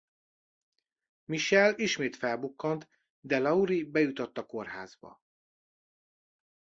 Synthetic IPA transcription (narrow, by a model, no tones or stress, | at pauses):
miʃɛliʃmeːt̪fɛlbukːont̪ | d̪ɛlɒuɾibɛjut̪ot̪ːɒko̞rɦa̰ːzbɒ̰